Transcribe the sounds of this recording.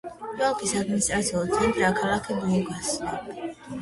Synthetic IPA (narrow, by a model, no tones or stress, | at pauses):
ɛlˠkʰʼisad̪minist̪ʼɾat̪sʰiɔlˠt̪sʰɛnt̪ʼɾaːkʰalˠakʰɛbuuɡasa